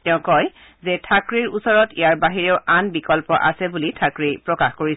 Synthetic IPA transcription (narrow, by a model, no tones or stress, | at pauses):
tɛʊ̃kɔj | zɛtʰakɹiɹusɔɹɔtijaɹbaɦiɹeʊʔanbikɔlpɔʔa̰sɛbulitʰakɹipɹɔkaxkoɹis